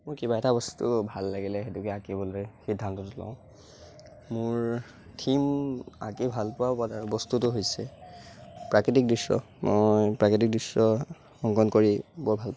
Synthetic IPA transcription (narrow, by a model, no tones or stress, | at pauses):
mʊɹkibaɛtabɔsttubʱalːaɡilɛxetukɛakibɔlojxidʱːantɔtʊla̰ʊ̃ | mʊɹ | tʰima̰kibʱalpɔwabataɹubɔstutʊɦojsɛ | pɹakɹitik̚dɹisɹɔ̰ | mojpɹakɹit̬ik̚disɹɔ | xɔŋkɔnkoɹibɔɹbʱalp